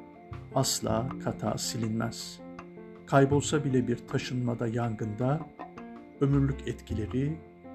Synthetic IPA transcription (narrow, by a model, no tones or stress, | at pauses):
aslˠa̰ːkʰat̪ʰa̰ːsilʲinmæz̥ | kʰajbo̞lˠsabilʲɛbiɾt̪ʰaʃɯnmad̪ajaŋɡɯnd̪a | ø̞myɾlʲycɛt̪cʰilʲe̞ɾi